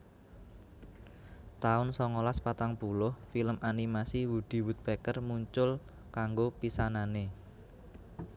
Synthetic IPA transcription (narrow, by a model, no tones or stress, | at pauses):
t̪aʊnsɔŋolaspat̪aŋpulʊhfiləmʔanimasiwud̪̥i̤wut̪̚b̥ekərmuɲt͡ʃʊl | kaŋɡopisanane